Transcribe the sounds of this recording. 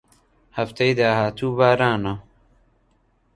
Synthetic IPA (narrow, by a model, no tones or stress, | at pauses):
hɐft̪ejd̪aːɦaːt̪ʰuːbaːɾaːna